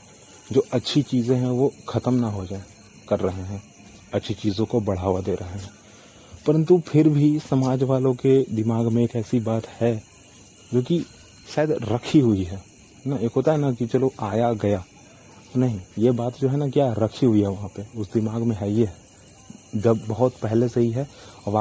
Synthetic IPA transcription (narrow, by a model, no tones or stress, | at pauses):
d͡ʒoːʔɐtːʃʰit͡ʃiːzẽɦɛ̃ʋokʰɐt̪əmnaɦod͡ʒa | kɐɾːɐɦeɦɛ̃ | ɐtːʃʰit͡ʃiːzõkobɐɽ̤aːʋad̪eːɾʔɐɦeɦɛ̃ | pɐɾə̃nt̪upʰɪɾbʱisɐmaːd͡ʒʋaːlõked̪ɪmaːɡmẽeːkɛːsibaːt̪hɛ | d͡ʒoːki | ʃaːɪd̪ɾɐkʰiɦʊiɦɛː | naeːkɦoːt̪aɦɛnakit͡ʃɐloʔaːjaɡɐja | t̪onɐɦĩjebaːt̪d͡ʒoːɦɛnakjaːɾɐkʰiɦʊiɦɛʋɐɦãpeʊsd̪ɪmaːɡmẽɦɛjeɦ | d͡ʒɐbːɐɦʊt̪pɛɦlesɐɦiɦɛɔːɾʋa